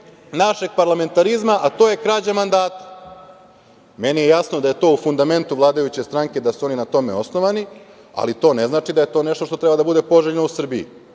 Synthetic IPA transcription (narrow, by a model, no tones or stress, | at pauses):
naʃe̞ɡ̚paɾlame̞nt̪aɾizmaʔat̪o̞ːje̞kɾad͡ʑamand̪aːt̪ḁ | me̞nijejasnod̪aje̞t̪o̞ːufund̪ame̞nt̪uʋlˠaːd̪ajut͡ɕe̞st̪ɾaŋke̞d̪asuo̞ninat̪o̞me̞̰o̞sno̞ʋani | a̰lit̪o̞ːne̞znaːt͡ʃid̪aje̞t̪o̞ːne̞ʃt̪o̞ʃt̪ot̪ɾe̞bad̪abud̪e̞po̞ʒeʎenousr̩biḭ